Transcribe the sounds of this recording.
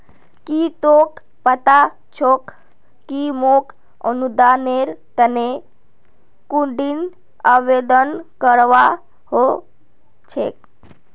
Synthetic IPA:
kit̪ok | pət̪a | t͡ʃʰokː | imok | ə̰nud̪aneɾk̪əne | kuɳɖin | əʋed̪ənkəɾʋa | ho | t͡ʃʰḛk

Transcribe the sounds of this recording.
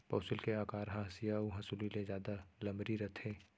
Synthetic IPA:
pɔːsɪlkeaːkaːɾɦãɦɐsijauɦɐsulilezjaːd̪alɐ̃mbɾiɾɐt̪ʰẽː

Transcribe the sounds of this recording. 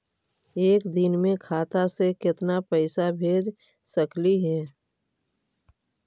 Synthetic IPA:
eːkd̪ɪnmẽkʰaːt̪asekɪt̪napəɪsabʱeːd͡ʒ | səkliɦɛː

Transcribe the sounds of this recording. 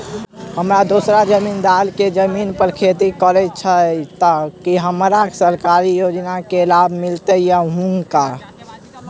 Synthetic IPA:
həmɾad̪osɾad͡ʒəmind̪alked͡ʒəminpəɾkʰet̪ikəɾɛt͡ʃʰət̪əkiɦəmɾasəɾkaɾijod͡ʒnakeːlabʱmilt̪əjəɦũŋka

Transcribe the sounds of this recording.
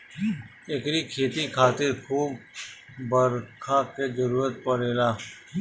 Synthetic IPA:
ekɾikʰeːt̪ikʰaːt̪ɪɾkʰuːb | bəɾkʰaked͡ʒəɾuːɾət̪̚pəɾeːlaː

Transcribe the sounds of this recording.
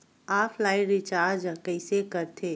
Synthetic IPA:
aːpʰlaːɪɾɪt͡ʃaːɾd͡ʒkɐɪsekɐɾt̪ʰeː

